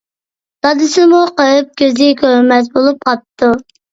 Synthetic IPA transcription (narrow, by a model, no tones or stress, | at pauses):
d̪̥ɑd̪ɨsɪmuqəɨp̚kʲøzɪkʲʰømɛt̪bolˠup̚qʰɑp̚t̪ʰːu